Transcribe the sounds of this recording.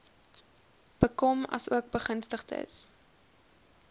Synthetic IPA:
b̥əkɔmɐ̰suək̚bəχənstəχtə̰s

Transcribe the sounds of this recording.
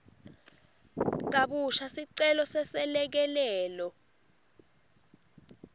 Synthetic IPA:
k̬aɓuʃasiǀɛlɔsɛsɛlɛk̬ɛlɛːlɔ

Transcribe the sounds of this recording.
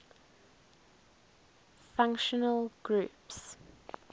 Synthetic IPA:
fãŋkʃənəlˠɡ̥ɹuːˑps

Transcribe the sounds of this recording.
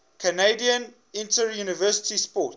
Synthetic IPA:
kʰəneɪdiə̃n | ɪ̃ntʰəɹjuːnɪvɜsɪ̥tispɔˑt

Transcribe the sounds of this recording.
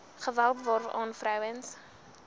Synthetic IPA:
χəvælˠpvɔrvɑ̰ːnfɾœwəns

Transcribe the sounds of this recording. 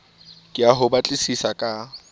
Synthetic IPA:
kʼɪaɦʊbat͡ɬʼɪsisakʼa

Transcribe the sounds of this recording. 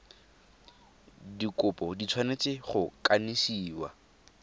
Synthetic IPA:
dikʊpʼɔdit͡sʰwanet͡sʼɪχʊkʼanisiːwa̰

